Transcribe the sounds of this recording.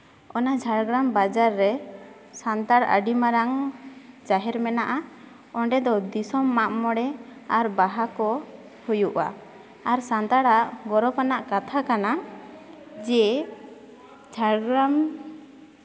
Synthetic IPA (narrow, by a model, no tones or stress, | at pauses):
ɔnad͡ʒʱaɽɡɾambad͡ʒaɾːɛ | sant̪aɽa̰ɖimaɾaŋ | d͡ʒaɦɛɾmɛnaʔa | ɔɳɖɛd̪ɔd̪isɔmːaʔmɔɽɛaɾbaɦakɔ | hujuʔa̰ː | ɾsant̪aɽaʔɡɔɾɔpanaʔkat̪ʰakana | d͡ʒɛ | d͡ʒʱaɽɡɾam